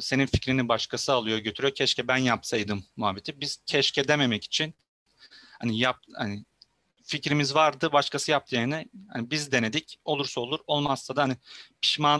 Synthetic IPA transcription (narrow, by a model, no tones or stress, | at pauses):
se̞ninficɾinibaʃkʰasɯalˠɯjoɟøt̪ʰyɾyjocʰɛʃcʰɛbænjapsajd̪ɯmːuɦabit̪ʰibiz̥cʰɛʃcʰed̪eme̞mɛci̥t͡ʃʰin | hanijap̚hani | ficɾimizvaɾd̪ɯbaʃkʰasɯjap̚t̪ʰɯjeɾnɛha̰nibizd̪e̞ne̞d̪ico̞lˠuɾsaolˠuɾo̞lˠmazt̪ad̪aanipʰi̥ʃmaː